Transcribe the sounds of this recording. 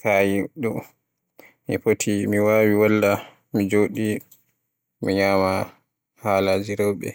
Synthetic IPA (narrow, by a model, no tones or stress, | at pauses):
kajiɗu | mifotʰimiwaːwiwalːa | mid͡ʒoɗi | mḭɲaːma | haːlad͡ʒiɾɔwɓɛ̰